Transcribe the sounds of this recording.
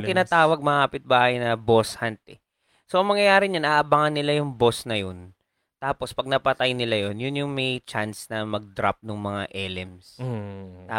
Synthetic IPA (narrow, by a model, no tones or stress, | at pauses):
t̪ɪnaːt̪aːwɐɡ̚mɐŋkɐpɪt̪̚baːhɐjnɐbo̞shant̪̚ɛ | soʔɐŋmɐŋjɐjaːɾɪɲanʔaːʔɐbaːŋɐnːɪlajʊŋbo̞snɐjon | t̪aːpo̞spɐɡ̚nɐpɐt̪ajnɪlajonjʊnjʊŋmɛjt͡ʃansnɐmɐɡ̚d̪ɾa̰p̚nʊŋmɐŋaʔɛlɛms | t̪aː